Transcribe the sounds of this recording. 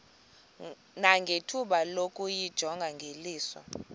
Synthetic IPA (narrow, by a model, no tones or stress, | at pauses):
naŋɡʱetʰuɓalokʼujid̥ʒ̥ʱɔŋɡʱaŋɡʱeliːsɔ̰